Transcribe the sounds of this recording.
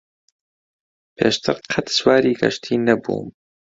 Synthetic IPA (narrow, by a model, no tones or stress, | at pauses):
pʰḛːʃt̪ʰɨɾqʰɐt̪swaːɾiːɡɐ̰ʃt̪ʰiːnɐbṵːm